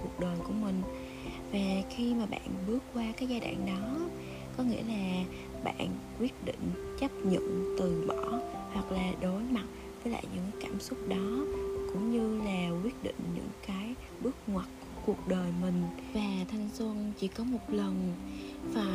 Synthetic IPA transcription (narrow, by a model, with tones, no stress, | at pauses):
ku˨˩ək̚ɗəː˨˩jku˧˩əmï˨˩ŋ̟ | vaː˨˩xi˧maː˨˩ɓa̰ː˧˨nɓɨ˦˥əkkːwaː˧kaː˨˦jzaː˧ɗa̰ː˧˨ŋɗɔ˨˦ | kɔ˨˦ŋḭ˧˥əlaː˨˩ | ɓa̰ː˧˨nkwi˦˥ət̚ɗḭ̈˧˨ŋ̟t͡ɕə˦˥p̚ɲə̰˧˨nt̪ɨ˨˩əŋɓɔ˧˩hwa˨˩k̚laː˨˩ɗo˨˦jma˨˩t̚ | vəː˨˦jla̰ː˧˨jɲɨ̰˧˥ŋkːkaː˧˩msʊ˦˥k͡p̚ɗɔ˨˦kʊ̰˧˥ŋ͡mɲɨ˧laː˨˩kwi˦˥ət̚ɗḭ̈˧˨ŋ̟ɲɨ̰˧˥ŋkaː˨˦j | ɓɨ˦˥ək̚ŋwa˨˩t̚ku˧˩əku˨˩ək̚ɗəː˨˩jmï˨˩ŋ̟vaː˨˩t̪ʰa˨˩jŋ̟swə˧nt͡ɕḭ˧˩kɔ˨˦mo˨˩t̚lə˨˩nvaː˨˩